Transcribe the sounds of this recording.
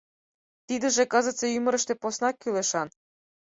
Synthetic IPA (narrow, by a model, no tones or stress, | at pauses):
t̪id̪ɘ̆ʒĕkɤ̆zɤ̆t͡sejymə̆ɾə̆ʃt̪eposnɑkːyleʃɑn